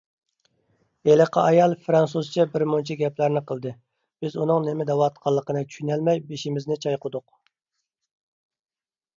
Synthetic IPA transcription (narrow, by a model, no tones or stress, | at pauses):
eləqʰɑɑjɑlˠfɾɑnsuzt͡ʃʰɛbɪɾmont͡ʃʰɛɡʲɛplæɾnɪqəlˠd̪ɨ | b̥ɪzunɨŋnɪmɛd̪ɛwɑt̪̚qʰɑlˠːəqənɨt͡ʃʲʰy̥ʃynælmɛjbeʃimɪznɪt͡ʃʰɑjqʊd̪ʊq̚